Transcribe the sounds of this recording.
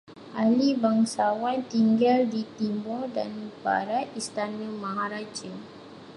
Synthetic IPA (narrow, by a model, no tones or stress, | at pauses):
ʔalibaŋsawant̪iŋɡaldit̪imbɔdanba̰ɾat̪ist̪anəmãɦaɾad͡ʒə